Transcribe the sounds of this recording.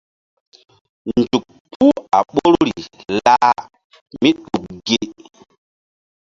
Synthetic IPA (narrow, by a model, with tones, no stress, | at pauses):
nd͡ʒu˨k̚pʰu˦a˨ɓo˦ɾɾi˨la˦ | mi˦ɗu˨k̚ɡe˦